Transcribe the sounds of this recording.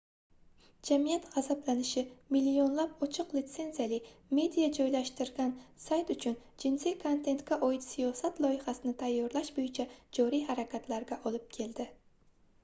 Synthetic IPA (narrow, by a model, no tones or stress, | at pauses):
d͡ʒamijat̪ʁazablanɪʃɪmilːio̞nlapɒt͡ʃʰɨqlɪt̪se̞nzijalɪme̞d̪ijad͡ʒɒjlaʃt̪ɪɾɡʲansajt̪ʊt͡ʃʰʊnd͡ʒɪnsikʰont̪ʰe̞nt̪kʲaʔɒjɪt̪sijɒsat̪lˠɒjɪhasɪnɪt̪ʰajːɒɾlaʃbojɪt͡ʃʰad͡ʒɒɾijɦaɾakʲʰat̪ʰlaɾɡʲaʔɒlɪp̚kʲʰe̞ld̪ɪ